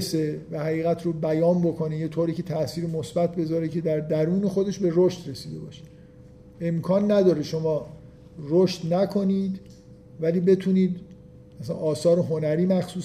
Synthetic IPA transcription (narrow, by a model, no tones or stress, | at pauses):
sevæhæʁiːɣæt̪ʰrobæjɒːnbo̞kʰo̞nejet̪ʰoːɾiːkcʰe̞t̪ʰæsiːɾemosbæt̪̚ʰbe̞zɒːɾecʰe̞d̪æɾd̪æɾuːne̞xo̞d̪e̞ʃbe̞roʃt̪ɾesiːd̪e̞̰bɒ̰ːʃe̥ | e̞mkʰɒːnːæd̪ɒːɾeʃo̞mɒː | roʃt̪nækʰo̞niːd̪ | væliːbe̞t̪ʰuːniːd̪ | æsænʔɒːsɒːɾeɦo̞næɾiːmæxsuːs